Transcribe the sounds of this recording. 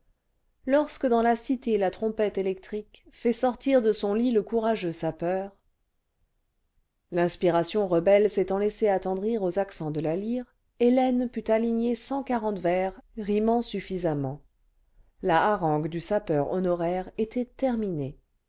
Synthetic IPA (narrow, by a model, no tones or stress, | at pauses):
lɔʁskəd̪ɑ̃lasit̪elat̪χɔ̃pɛt̪elɛk̚t̪χik | fɛsɔʁt̪iʁd̪əsɔ̃liləkuʁaʒøsapœːʁ | lɛ̃spiʁasjɔ̃ʁəbɛlset̪ɑ̃lɛseat̪ɑ̃d̪ʁiʁozaksɑ̃d̪əlaliʁ | elɛnpyt̪aliɲesɑ̃kaʁɑ̃t̪vɛʁʁimɑ̃syfizamɑ̃ | laːʁɑ̃ɡd̪ysapœʁɔ̰nɔʁɛʁet̪ʰɛt̪ɛʁmine